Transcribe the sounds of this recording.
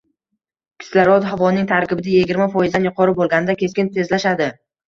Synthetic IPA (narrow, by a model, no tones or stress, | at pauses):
kʲʰɪ̥slaɾɒd̪ɦavɒnɪŋt̪ʰaɾkʲɪbɪd̪aje̞ɡʲɪɾmafɒjɪzd̪anjʊqʰɒɾɪbolˠɡʲanɪd̪akʲʰe̞skʲɪnt̪ʰe̞zlaʃad̪ɪ